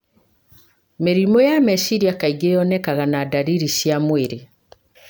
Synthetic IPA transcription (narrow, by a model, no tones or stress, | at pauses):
meɾimɔjamɛʃiɾiakaiɡejɔnɛkaɣanadaɾiɾiʃjamweɾe